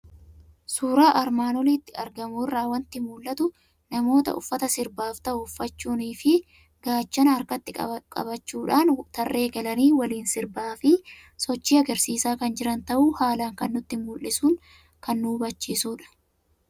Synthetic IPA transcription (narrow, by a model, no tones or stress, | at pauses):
suːɾaːʔɐɾmaːnɔliːt̪ːɪɐɾɡɐmuɪrːaːwɐnt̪ɪmuːlːɐt̪ʊ | nɐmo̞ːt̪ɐ̰ʔʊ̰fːɐt̪ɐsɪɾbaːft̪ɐʔʊʊfːɐt͡ʃːuːniːfɪ | ɡaːt͡ʃːɐnɐɐɾkɐt̪ːɪkʼɐ̰bɐt͡ʃːuːᶑaːnt̪ɐrːe̞ːɡɐlɐniːwɐliːnsɪɾbaːfɪ | sɔt͡ʃːiːɐɡɐɾsiːsaːkɐnd͡ʒɪɾɐnt̪ɐʔuːhaːlaːŋkɐnːʊt̪ːɪmuːlʔɪsuːŋ | kɐnːuːbɐt͡ʃːiːsuːᶑɐ̥